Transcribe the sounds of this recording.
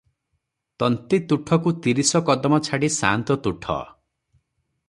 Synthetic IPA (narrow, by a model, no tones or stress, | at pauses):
t̪ɔnt̪it̪uʈʰɔkut̪iɾisɔkɔd̪ɔmɔt͡ʃʰaɽisa̰nt̪ɔt̪uʈʰɔ̰